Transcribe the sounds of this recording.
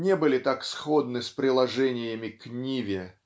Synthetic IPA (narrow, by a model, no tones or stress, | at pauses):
nʲebɨlʲɪt̪aksxod̪nɨspɾʲɪlˠɐʐɛnʲɪjəmʲɪknʲivʲɪ